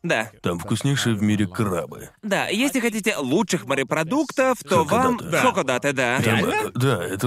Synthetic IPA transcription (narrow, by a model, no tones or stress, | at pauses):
d̪at̪amfkʊsʲnʲejʂɨjəvmʲiɾʲɪkɾa̰bɨ̰d̪ajesʲlʲɪxɐtʲitʲɪlˠutʂɨxməɾʲɪpɾɐd̪ukt̪əft̪ovamkokod̪at̪ɨd̪aamd̪aɛt̪ə